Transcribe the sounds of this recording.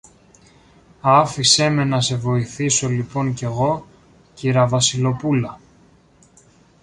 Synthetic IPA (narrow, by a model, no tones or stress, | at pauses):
ɐfise̞me̞nɐse̞vo̞iθiso̞lipo̞ŋce̞ɣo̞ | ciɾɐvɐsilo̞pulɐ